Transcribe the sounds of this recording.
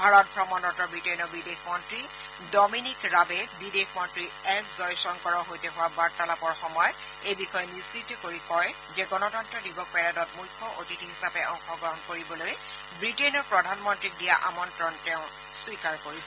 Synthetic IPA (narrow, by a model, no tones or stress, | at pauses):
bʱaɹɔt̚bʱɹɔmɔntɔntɔbɹitenɔbidexmɔntɹi | dɔminikɹabɛbidexmɔntɹiɛszɔjsɔŋkɔɹɔɦojtɛɦʊwabaɹtalapɔɹxɔmɔjɔt | ejbixɔjɛnisitɔkoɹikɔj | zɛɡɔnɔtɔntɹɔdibɔk̚pɛɹadɔtmujkʰːɔʔotitiɦisapɛʔɔŋxɔɡɔɦɔnkoɹibɔloj | bɹitenɔɹpɹɔdʱanmɔntɹik̚dija̰ʔa̰mɔntɹɔntɛʊ̃ | swikaɹkoɹisɛɛ